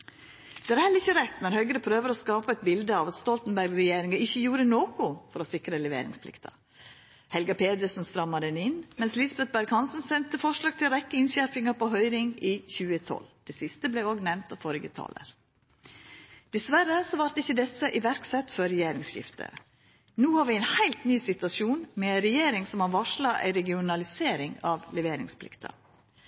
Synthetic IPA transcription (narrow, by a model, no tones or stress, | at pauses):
d̪̥ɛːæɾhɛlːəɾɪçːəɾɛt̪nɔɾhœʏɡəɾəpʰɾøːʋəɾoːskɑːpɑɛt̪bɪld̪əɑʋɑt̪st̪ɔlt̪nbæɾɡɾɛjeːɾɪŋɑɪçːəjuːɾənoːkʊfɔɾɔsɪkɾəlɛʋḛːɾɪ̰ŋspʰlɪ̰kt̪ʰɑ̰ | hɛlɡɑpʰeːd̪əsnst̪ɾɑmːɑd̪ɛnɪnmɛnslɪsbɛt̪̚bæɾɡhɑnsən̩sɛnt̪əfɔʂɭɑːɡt̪ʰɪlɾɛkːəɪnɕæɾpɪŋɑpʰɔɦœʏɾɪŋiːçʉːət̪ʰɔ̰ld̪̥ɛːsɪst̪əblɛɪoːɡnɛmnt̪ɑfɔɾɡə̰t̪ʰɑ̰ːlə̰ɾ | d̪̥ɛsʋæɾəsɔʋɑɾt̪ɪçːəd̪ɛsəʔɪʋæɾksɛt̪fɔɾɛjeːɾɪŋsɕɪ̰ft̪ʰə̰ | nuːhɑːɾʋiːæɪnhæɪlt̪nyːsɪt̪ʋɑsuːnmɛæɪɾɛjeːɾɪŋsɔmhɑʋɑʂlɑʔæ̰ɪɾɛɡɪʊnɑlɪseːɾɪŋɑʋlɛʋeːɾɪ̰ŋspʰlɪ̰kt̪ʰɑ̰